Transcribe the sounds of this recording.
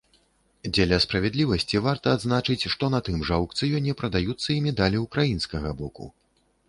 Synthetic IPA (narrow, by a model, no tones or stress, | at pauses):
d͡zʲɛlʲɐspɾɐvʲɛd̪lʲivɐsʲt͡sʲivart̪ɐːd̪znat͡ʂɨt͡sʲʂt̪ɔnɐt̪ɨmʐawkt̪sɨjɔnʲɛpɾɐd̪ajut̪sːɐimʲɛd̪alʲiukɾajinskɐɣɐbɔkṵ